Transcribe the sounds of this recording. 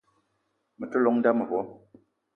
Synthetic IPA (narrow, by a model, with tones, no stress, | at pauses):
mə˨tə˦lɔ˨˦ŋn̩˦da˦mə˨bɔ˨˦